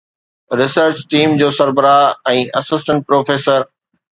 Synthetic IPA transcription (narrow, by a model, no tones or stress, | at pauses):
ɾɪsəɾt͡ɕʈiːmd͡ʑoːsɐɾbəɾaːɪɛ̃ːʔɐsɪsʈə̃ɳʈ̚pɾoːfeːsəɾ